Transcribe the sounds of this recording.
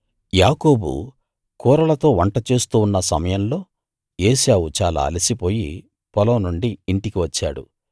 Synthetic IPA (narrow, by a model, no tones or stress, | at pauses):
jaːko̞ːbṵ | kuːɾɐlɐt̪o̞ːʋɐɳʈɐt͡ʃeːst̪uːnːɐsɐ̰mɐjɐnlo̞ː | eːʃjaːwut͡ʃaːla̰ːɐlisipo̞ːjḭ | pɔlɐːnuɳɖiːɳʈikiʋɐt͡ʃːa̰ːɽṵ